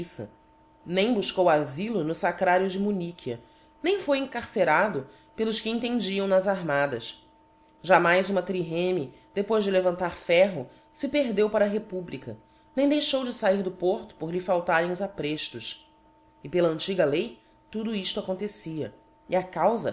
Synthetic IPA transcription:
sɐ̰ | nẽj̃buʃkowazilʊnʊsakɾaɾjʊd͡ʒɪmunikʰiɐ | nẽj̃fojẽŋkaɾseɾad̪ʊ | pelˠʊʃkɪẽnt̪̬ẽnd͡ʒiɐ̃w̃nɐzaɾmad̪ɐs | ʒamajzũmɐt̪ɾiɦẽmi | d̪̥epojzd͡ʒɪlevɐ̃nt̪aɾfɛɦʊ | sɪpeɾd̪ewpaɾɐɦepublikɐ | nẽj̃d̪ejʃowd͡ʒɪsaiɾd̪ʊpoɾt̪ʊ̥poɾlɪfawt̪aɾẽj̃ʊzapɾeʃt̪ʊʃ | ɪpelɐɐ̃nt͡ʃiɡɐlej | t̪ud̪ʊiʃt̪ʊakõnt̪esiɐ | ḭakawzɐ̰

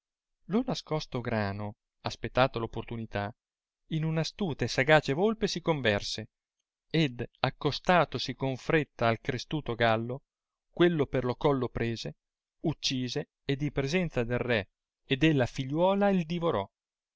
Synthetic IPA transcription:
lonaskɔst̪oɡɾaːno | aspet̪ːaːt̪olopːort̪unit̪a | inunast̪uːt̪esaɡaːt͡ʃevolpesikoɱvɛrse | ed̪akːost̪aːt̪osikoɱfɾet̪ːaːlkɾest̪uːt̪oɡalːo | kwelːoperlokɔlːopɾeːze | ut͡ʃːiːzeː | d̪ːipɾezɛnt̪sad̪elrɛ | ed̪elːafiʎːwɔːlaild̪ivoɾɔ

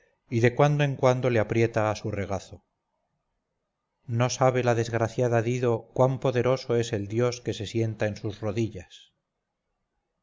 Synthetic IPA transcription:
iðe̞kwand̪oeŋkwand̪o̞leapɾje̞t̪aːsure̞ɣ̞aθo | no̞saβ̞e̞laðe̞zɣɾaθjaðaðiðo̞kwampo̞ðe̞ɾoso̞e̞se̞ld̪jo̞ske̞se̞sje̞nt̪aensuzroðiʎas

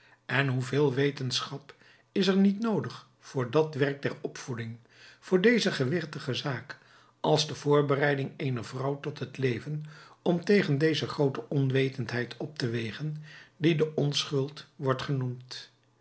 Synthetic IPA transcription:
ɛnɦuvɪːlˠʋejtənsχɑp | ɪsəɹnitnowdəχ | fʊːɹdɑtʋɛrk̚dɛɹɔpfudɪŋ | fʊːɹdejzəχəʋɪχtəχəzaːk | ʔɑlˠzdəv̥ʊːɹbərɛjdɪŋejnəɹvrʌwtɔtɦətlejvənɔmtejχəndejzəχrowtəʔɔnʋejtəntɦɛjtʰɔp̚təʋejχəndidəʔɔnsχɵlˠtʋɔɹtχənumt

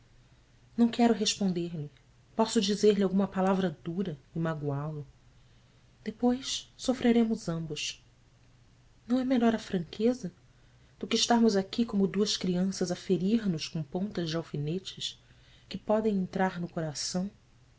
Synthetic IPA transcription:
nɐ̃w̃kɛɾʊɦeʃpõnd̪eɾlɪ | pɔsʊd͡ʒizeɾliawɡũmɐpalavɾɐd̪uɾɐimaɡwalʊ | d̪̥epojssofɾeɾẽmʊzɐ̃mbʊs | nɐ̃w̃ɛmeʎɔɾɐfɾɐ̃ŋkʰezɐ | d̪̥ʊkɪːʃt̪aɾmʊzakikõmʊd̪uɐskɾiɐ̃sɐzɐfeɾiɾnʊʃkõpõnt̪ɐzd͡ʒɪawfinet͡ʃɪs | kɪpɔd̪ẽj̃ẽnt̪ɾaɾnʊkoɾasɐ̃w̃

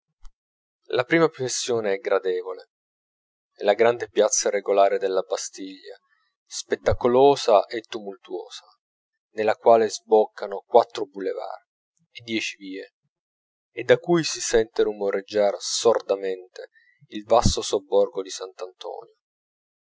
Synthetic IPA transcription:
lapɾiːmapɾofesːjoːneɛɡɾad̪ɛːvole | laɡɾand̪epjat̪sːareɡolaːɾed̪elːabast̪iʎːa̰ | spet̪ːakoloːzaʔet̪ːumult̪uo̰ːz̥a | nelːakwaːlezbɔkʰːanokwat̪ːɾobuleva̰ːr | ed̪ːjɛːt͡ʃiviːeː | d̪ːakujsisɛnt̪eɾumoɾed͡ʒːarsord̪ament̪e | ilvast̪osobːɔrɡod̪isant̪ant̪ɔ̰ːnjo

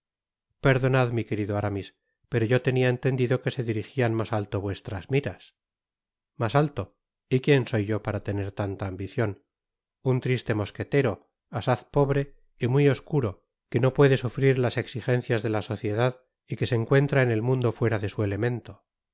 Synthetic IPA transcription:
pe̞ɾðo̞naðmike̞ɾiðoaɾamis | pe̞ɾo̞ʝo̞t̪e̞niaent̪e̞nd̪iðo̞ke̞se̞ðiɾixianmasalt̪oβwe̞st̪ɾazmiɾas | masalt̪o̞ | ikje̞nso̞jʝo̞paɾat̪e̞ne̞ɾt̪ant̪aːmbiθjo̞n | unt̪ɾist̪e̞mo̞ske̞t̪e̞ɾo̞ | asaθpo̞βɾe̞ | imijo̞skuɾo̞ | ke̞no̞pwe̞ðe̞sufɾiɾlase̞ksixe̞nθjazðe̞laso̞θje̞ðað | ike̞se̞ːŋkwe̞nt̪ɾaene̞lmũnd̪o̞fwe̞ɾaðe̞sue̞le̞mẽ̞nt̪o

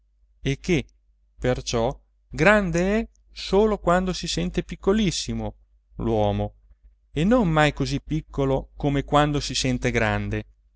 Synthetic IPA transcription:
ekːe | pert͡ʃɔ | ɡɾand̪eɛ | soːlokwand̪osisɛnt̪epikːolisːimo | lwɔːmo | enoŋmajkozipːikʰːolokomekwand̪osisɛnt̪eɡɾa̰nd̪e

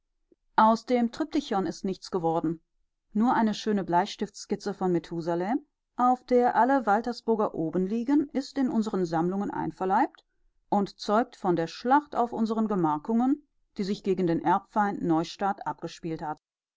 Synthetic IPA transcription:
ʔaʊsd̥eːmtʁ̥ɪp̚tɪçɔnɪstnɪçt͡sɡ̥əvɔɐdn̩ | nuːɐʔaɪnəʃøːnəblaɪçʃtɪfskɪt͡səfɔnmetʰuːzalɛm | ʔaʊfd̥eːɐʔaləvaltɐsb̥ʊɐɡɐʔoːbənliːɡənɪstɪnʔʊnzəʁənzamlʊŋənʔa̰ɪnfɛɐlaɪp̚t | ʔʊntt͡sɔʏk̚tfɔndeːɐʃlaχta̰ʊfʔʊnzəʁənɡəmaɐkʊŋən | d̥iːzɪçɡ̥eːɡŋ̩deːnʔɛɐpfaɪntnɔʏʃtaːtʔap̚ɡ̥əʃpiːlthat

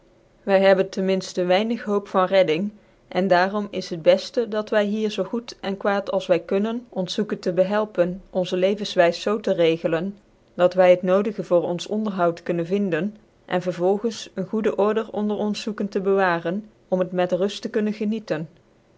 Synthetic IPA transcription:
ʋɛjɦɛbəntɛnmɪnstəʋɛjnəχɦowpfɑnrɛdɪŋ | ʔɛndaːrɔmɪsɦəd̚bɛstədɑtʋɛjɦiːɹzowχutɛnkʋaːtɑlˠsʋɛjkɵnənɔnsukəntəbəɦɛlˠpənʔɔnzəlejvənsʋɛjsːowtərejɣələn | dɑtʋɛjɦətnowdəɣəvʊːɹɔnsɔndəɹɦɑwtkɵnənvɪndən | ʔɛ̰nvəɹvɔlˠχənsənχudəʔɔɹdəɹɔ̰ndəɹɔnsukəntəbəʋaːrən | ɔmɦətmɛtrɵstəkɵnənɣənitən

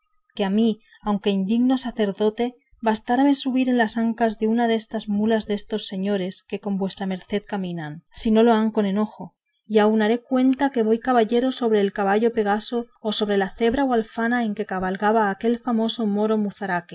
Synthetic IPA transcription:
keami | awŋke̞ind̪iɣno̞saθe̞ɾðo̞t̪e̞ | βast̪aɾame̞suβiɾe̞nlasaŋkazðe̞unaðe̞st̪azmulazðe̞st̪o̞sːe̞ɲo̞ɾe̞ske̞ko̞mbwe̞st̪ɾame̞ɾθe̞ðkamĩnansino̞lo̞aŋko̞ne̞no̞xo̞ | iaunaɾe̞kwe̞nt̪ake̞βo̞jkaβaʎeɾo̞so̞β̞ɾe̞ːlkaβ̞aʎo̞pe̞ɣ̞aso̞ːso̞βɾe̞laθe̞βɾaoalfanae̞ŋke̞kaβalɣaβaːke̞lfamo̞so̞mo̞ɾo̞muθaɾake

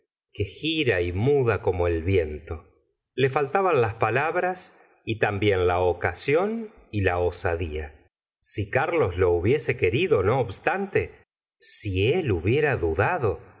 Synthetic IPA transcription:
kexiɾaimuðako̞mo̞elβje̞nt̪o̞ | le̞falt̪aβanlaspalaβɾas | it̪ambje̞nlaokasjo̞nilaosa̰ðia | sikaɾlo̞slo̞uβje̞se̞ke̞ɾiðono̞ːβst̪ant̪e̞ | sieluβje̞ɾaðuðaðo̞

